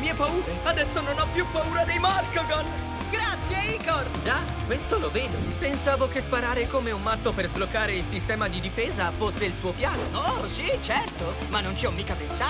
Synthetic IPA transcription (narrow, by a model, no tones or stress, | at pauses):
miɛpauːɾead̪ɛsːononɔpːjupːauːɾad̪ejmalkoɡon | ɡɾat̪sːjeiːkord͡ʒa | kwest̪oloveːd̪opensaːvokespaɾaːɾekomeumːat̪ːoperzblokːaːɾeilsist̪ɛːmad̪id̪ifeːzafosːeilt̪uːopjaːno̰nosit͡ʃɛrt̪o | manːont͡ʃiɔmːiːkapensa